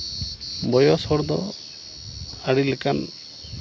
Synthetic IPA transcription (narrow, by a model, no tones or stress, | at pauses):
bɔjɔsɔɾd̪ɔ | aɽilekan